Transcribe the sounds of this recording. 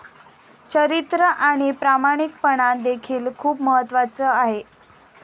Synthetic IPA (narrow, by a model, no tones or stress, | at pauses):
t͡ɕəɾit̪ɾəʔaɽ̃ipɾamaɽ̃ik̚pəɽand̪ekʰiːlkʰuːpməɦət̪ːʋat͡səːaɦe